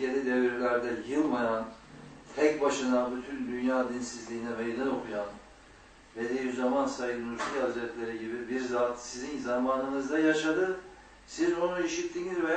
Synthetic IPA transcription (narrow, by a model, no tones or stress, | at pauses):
enid̪evɾɾilʲæɾd̪ɛjɯlˠmajan | t̪ʰɛcbaʃɯnabyt̪ʰynd̪ynjaːd̪insizlʲiːnɛmejd̪ano̞kʰujan | ved̪ejizamansajɯnuɾsihazɾɛt̪lʲeɾɛɟibibiɾzaːt̪sizinzamaːnɯnɯzd̪ajaʃad̪ɯ | sizo̞nuiʃit̪ʰːinizvɛ